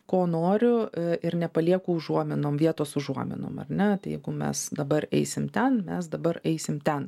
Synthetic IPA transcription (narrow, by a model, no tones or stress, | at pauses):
koːnoːɾʲʊɪɾnʲɛpɐlʲiɛkʊːʊʒuɔmʲɪnoːmʋʲiɛt̪oːsʊʒuɔmʲɪ̰no̰ːmɐ̰rnʲɛt̪ɐɪjɛ̰ɪɡʊmʲɛ̰sd̪ɐbɐɾɛ̰ɪsʲɪmt̪ʲɛnmʲɛs̬d̪ɐbɐɾɛɪsʲɪmt̪ʲɛn